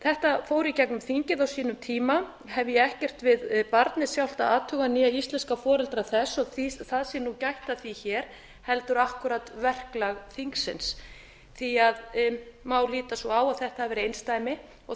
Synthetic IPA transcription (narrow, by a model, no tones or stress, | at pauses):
θɛht̪afoːwɾicɛknʏmθiɲcɪðawsiːnʏmt̪ʰiːma | hɛvjɛɛhcɛr̥t̪vɪðpaɾt̪nɪsjawl̥t̪aaːt̪ʰʏɣaniːaist̪lɛnskafɔːɾɛlt̪ɾaθɛsːɔɣθiθaðsjɛnucajht̪aðθiçɛːɾ̥ | hɛlt̪ʏɾahkʏɾat̪vɛr̥klaɣθiŋksɪns | θiaðmaːwliːt̪asɔaːwaðθɛht̪ahðvɛːɾɪejnst̪aːjmɪ | ɔ